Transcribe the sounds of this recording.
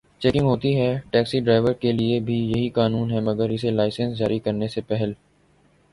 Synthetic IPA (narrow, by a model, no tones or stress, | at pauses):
t͡ʃɛːkɪ̃ŋɡɦoːt̪iɦɛʈɛːksiɖɾaːɪʋəɾkeliebʱijɐɦikaːnuːnɦɛmɐɡəɾɪselaːɪsə̃nsd͡ʒaːɾikɐɾnesepɛɦəl